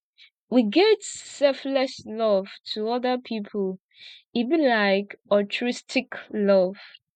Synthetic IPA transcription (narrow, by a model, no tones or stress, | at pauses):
wiɡɛtsɛflɛʃlɔv̥tʰəɔðəpʰipʰəl | ivɨ̃nlaɪkɔtʰɹɪstʰɪklɔv̥